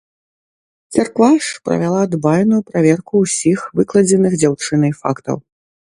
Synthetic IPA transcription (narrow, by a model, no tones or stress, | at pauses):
t͡s̪ʲarkvaʂpɾɐ̰vʲalˠad̪bajnujupɾavʲɛrkuwsʲixvɨklˠɐd͡zʲɛnɨɣd͡zʲawt͡ʂɨnɐjfa̰kt̪ɐ̰w